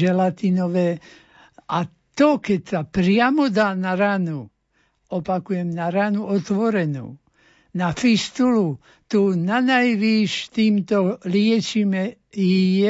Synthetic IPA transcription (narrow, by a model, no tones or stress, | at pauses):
ɛlat̪inɔʋɛː | ʔa | t̪ɔkɛcsapɾɪamɔd̪aːnaɾanu | ɔpakujɛmnaɾanuɔt̪ʋɔɾɛnṵː | nafist̪ulu | t̪unanajʋiʃt̪iːmt̪ɔlɪɛt͡ʃimɛ | jijɛ